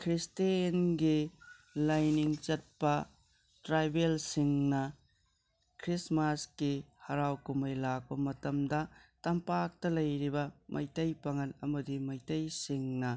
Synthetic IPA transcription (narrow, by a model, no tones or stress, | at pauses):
kʰɾistenɡilɐjniŋt͡ʃɐt̚pɐ | tɾajbelsiŋnɐ | kʰɾismaskihɐɾawkumɐjlak̚pɐmɐtɐmdɐtɐmpak̚tɐlɐjɾibɐmʔɐ̰jtɐjpɐŋɐnɐ̰mɐdimɐjtɐjsiŋnɐ